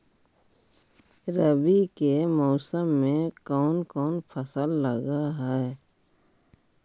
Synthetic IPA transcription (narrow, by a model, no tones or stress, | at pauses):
ɾəbikemɔːsəmːẽkɔːnkɔːnpʰəsəlːəɡaɦɛː